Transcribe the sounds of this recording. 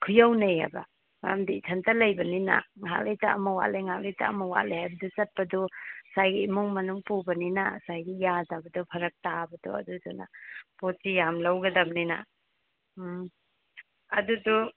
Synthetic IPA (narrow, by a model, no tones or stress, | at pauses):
kʰujawnejha̰jba̰ | mamdiːtʰɐntɐlɐjbɐnina̰ŋɦa̰k̚lejtaːmɐwa̰ʔlejŋɦak̚lejta̰ːmɐwa̰ʔlejhajbɐdut͡ʃɐt̚pɐdɔsajɡiimuŋmɐnuŋpubɐninasajɡijadabɐdɔpʰɐɾɐk̚tabɐdɔ̰ɐ̰duduna̰posijamlawɡɐdamnina̰ | ɐdudu